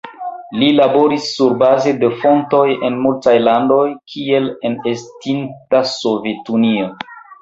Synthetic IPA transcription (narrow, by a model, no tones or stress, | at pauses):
lilabo̞ɾisːuɾbaze̞defo̞nto̞jenmultajlando̞jkʰie̞le̞nestintaso̞ve̞tunio